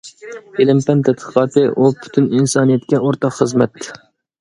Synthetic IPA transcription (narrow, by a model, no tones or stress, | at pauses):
elɪmpɛnt̪ʰɛt̪̚qʰə̥qʰɑːt̪ɨʔupʰy̥t̪ʰyninsɑnijɛt̪kʲɛoɾt̪ɑqχəzmɛt̪